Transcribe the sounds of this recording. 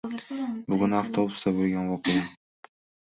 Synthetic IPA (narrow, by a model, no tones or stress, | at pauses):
bʊɡʲʊnaft̪ʰobʊst̪abolˠɡʲanvɒqeja